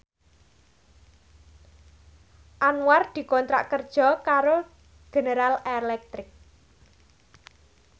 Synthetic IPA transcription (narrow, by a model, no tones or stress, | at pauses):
ʔanward̪̥i̤kɔnt̪ɾa̰ʔkərd̥ʒ̥ɔ̤kaɾo | ɡ̥e̤neɾalelɛk̚t̪ɾɪk̚